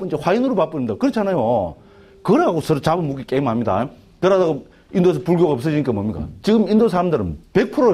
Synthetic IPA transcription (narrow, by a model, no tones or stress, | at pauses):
p͈ɯnd͡ʑehwainɯɾopap͈ɯɲimidakɯɾʌt͡ɕʰanajo | kɯɾaaɡosʰʌɾt͡ɕabɯnmuk̬ik͈eimɦamɲida̰jo | kɯɾadaɣo | ind̪oes̬ʰʌpuɭɡjoɣaʌps̬͈ɯd͡ʑiɲik͈amʌmɲik͈a̰t͡ɕiɡɯmindosʰaɾamdɯɾɯnpek̚pʰɯɾo